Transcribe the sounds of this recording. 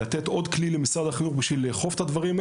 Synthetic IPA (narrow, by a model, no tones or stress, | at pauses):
at̪et̪o̞d̪klilemisʁadaχinuχbiʃvilːeχo̞fetad̪vaʁima